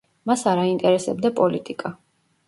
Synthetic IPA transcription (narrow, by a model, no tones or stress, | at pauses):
masaɾaint̪ʼɛɾɛsɛbd̪apʼɔlit̪ʼikʼa